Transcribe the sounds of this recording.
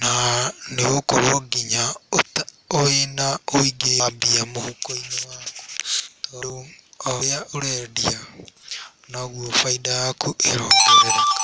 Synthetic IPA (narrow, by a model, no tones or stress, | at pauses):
naneokoɾoɡiɲaot | oenaoiɡeambiamohukoinewako̥toɾuojaʔoɾedia | naɣwofaidajakʰuʔeɾokeɾeḁ